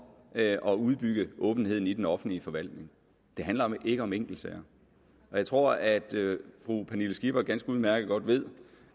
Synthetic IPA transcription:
ʔɒ̽uð̞ˠb̥yɡ̥əʔɔ̰̽ːb̥n̩he̝ð̞̰ˠn̩id̥enɒ̽fn̩dliəfɒ̽ʋæl̰d̥ne̝ŋ | d̥e̝ɦænlɐʔe̝ɡ̥əɒ̽meŋ̰ɡ̥l̩sɛɐ | ɒjɑ̈ɪt͡sʰʁo̝ɐ̰æd̥fʁupʰænilosɡ̥ib̥ɐɡ̥ænsɡ̥əuð̞ˠmæɐɡ̥əð̩ˠɡ̥ɒ̽d̥ʋe̝ð̞̰ˠ

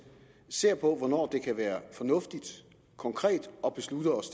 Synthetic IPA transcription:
se̝ɐ̰pʰɒ̽ʋɒnɒ̰ːd̥e̝kʰæʋæːɐfɒ̽nɔ̽fd̥id̥ | kʰɒ̽ŋkʰʁɛ̰ːd̥ɒ̽b̥e̝slud̥ɐɒ̽s

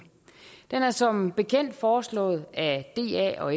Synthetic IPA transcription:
d̥enæɐsɒ̽mb̥e̝kʰen̰d̥fɒːslɔ̰̽ːð̩ˠæd̥e̝̰ːæ̰ɒ̽e

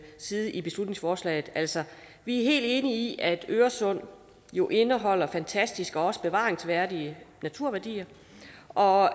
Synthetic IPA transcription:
siːð̩ˠʔib̥e̝slud̥ne̝ŋsfɒːslɛ̰ːɪð̩ˠæl̰sɒ̽ | ʋiæɐɦe̝̰ːld̥e̝ːniiʔæd̥øːɐsɔ̽n̰ | jo̝ʔe̝nəɦɒ̽l̰ɐfænt͡sʰæsd̥isɡ̥ɒ̽ɒ̽sə̥b̥e̝ʋɑ̰̈ːeŋsʋæɐdiənæt͡sʰuɐ̰ʋæɐd̥ḭːɐ | ʔɒ̽

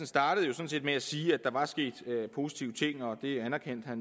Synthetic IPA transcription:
n̩sd̥ɑ̈ːɾ̥əð̞̩ˠjo̝sɔ̽n̩se̝̰ːd̥meæsiːæd̥ɑ̈ʋɑ̈sɡ̥e̝̰ːd̥pʰo̝si̥t͡sʰiːʊət͡sʰe̝ŋ̰ɒ̽d̥e̝ænæɐkʰen̰d̥hæn

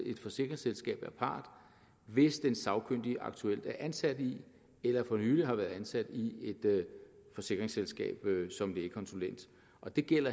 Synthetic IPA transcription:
e̝d̥fɒ̽se̝ɡ̥ʁe̝ŋselsɡ̥ɛ̰ːb̥æɐpʰɑ̈ːd̥ | ʋe̝sd̥ensɑ̈ʊkʰøn̰d̥iʔɑ̈ɡ̥̚t͡sʰuel̰d̥æɐʔænsæd̥i | elɐfɒ̽nyːliɦɑ̈ʋæːɐð̩ˠænsæd̥ie̝d̥fɒ̽se̝ɡ̥ʁeŋselsɡ̥ɛ̰ːb̥sɒ̽md̥e̝eɡ̥kʰɒ̽nsulen̰d̥ | ʔɒ̽d̥e̝ɡ̥el̰ɐ

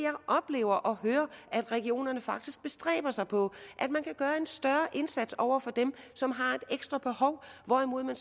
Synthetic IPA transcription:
jɑ̈ɪʔɒ̽b̥le̝̰ːʊɐʔɒ̽ɦøːɐʔæd̥ʁɛɡ̥io̝̰ːnɐnəfɑ̈ɡ̥̚d̥isɡ̥̚b̥e̝sd̥ʁɛ̰ːb̥ɐsɑ̈ɪpʰɒ̽ʔæd̥mænkʰæɡ̥ɶːɐe̝nsd̥ɶɐʔe̝nsæd̥sɒʊ̰ɐfɒ̽d̥emsɒ̽mɦɑ̈e̝d̥eɡ̥sd̥ʁɐb̥e̝hɒ̽ʊʋɒimo̝ð̞̰ˠmæns

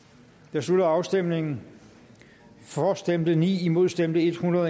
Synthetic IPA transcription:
d̥eɐsud̥ɐɑ̈ʊsd̥em̰ne̝ŋn̩ | fɒːsd̥emd̥ənḭːimo̝ðˠsd̥em̰d̥əe̝d̥hunʁɐðˠ

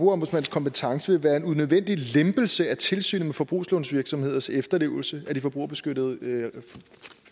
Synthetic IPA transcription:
bʁṵɐɒmbusmæn̰skʰɒ̽mpet͡sʰɑ̈ŋsəʋe̝ʋæːɐe̝nunøðˠʋen̰d̥ilemb̥l̩səæt͡sʰe̝lsy̰ːnəmefɒ̽b̥ʁṵːslonsʋiɐɡ̥sɒ̽mhe̝ð̰ˠɐsefd̥ɐle̝̰ːʊl̩səæd̥ifɒ̽b̥ʁṵːɐbe̝sɡ̥ød̥əð̞̩ˠ

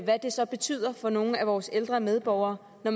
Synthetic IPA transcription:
ʋæd̥e̝sɒ̽b̥e̝t͡sʰy̰ːð̞̰ˠɐfɒ̽no̝ːn̩æʋɒːseld̥ʁɐmeð̞ˠb̥ɒʊɐː | nɒm

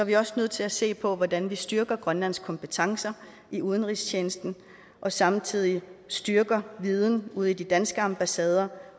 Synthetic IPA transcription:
sɒæʋiɒ̽snøð̰ˠt͡sʰe̝læse̝̰ːpʰɒ̽ʋɒd̥ænʋisd̥yɐɡ̥ɐɡ̥ʁɶnlæn̰skʰɒ̽mpʰət͡sʰɑ̈ŋsɐ | ʔiuð̞ˠn̩ʁist͡ɕʰeːnəsd̥n̩ | ʔɒ̽sɑ̈mt͡sʰið̞̰ˠisd̥yɐɡ̥ɐʋið̞ˠn̩uð̞̰ˠid̥id̥ænsɡ̥əɑ̈mb̥æsɛːð̞ˠɐ

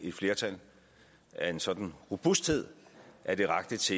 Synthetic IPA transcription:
e̝d̥fle̝ːɐt͡sʰæl̰ | æɐe̝nsɒ̽d̥n̩ʁob̥usd̥he̝ð̞̰ˠʔæɐd̥e̝ʁɑ̈ɡ̥d̥ət͡sʰe̝

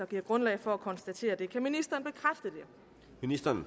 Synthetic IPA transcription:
ɑɡ̥iɐ̰ɡ̥ʁɔ̽nlɛ̰ɪfɒ̽ækʰɒ̽nsd̥æt͡sʰe̝̰ːɐd̥e̝kʰæminisd̥ɐːn̩b̥e̝kʰʁafd̥əd̥e̝ | minisd̥ɐn

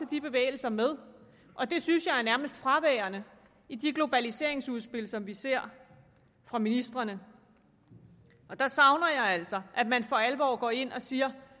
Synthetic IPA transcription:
ed̥ib̥e̝ʋḛːɪl̩sɐmeð̞ˠ | ʔɒ̽d̥e̝synsjɑ̈ɪæɐnæɐməsd̥fʁɑʋɛːɐnə | id̥iɡ̥lo̝b̥ælise̝ɐ̰e̝ŋsuð̞ˠsb̥e̝l̰sɒ̽mʋise̝ɐ̰ | fʁɑ̈minisd̥ʁɐnə | ɒ̽d̥ɑ̈sɑ̈ʊnɐjɑ̈ɪæl̰sɒ̽ʔæd̥mænfɒ̽ælʋɒ̰ːɡ̥ɒ̰ːe̝n̰ɒ̽siːɐ

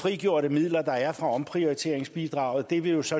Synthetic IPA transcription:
fʁiɡ̥jo̝ɐɾəmið̰ˠlɐd̥ɑ̈æɐfʁɑ̈ɒ̽mpʰʁio̝it͡sʰe̝̰ɐ̰eŋsb̥id̥ʁɑ̈ʊð̩ˠd̥e̝ʋe̝jo̝sɒ̽

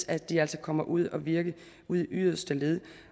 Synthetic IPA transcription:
sæd̥iæl̰sɒkʰɒ̽m̰ɐʔuð̞̰ˠɒ̽ʋiɐɡ̥ə | uð̰ˠʔyðˠɐsd̥əle̝ðˠə

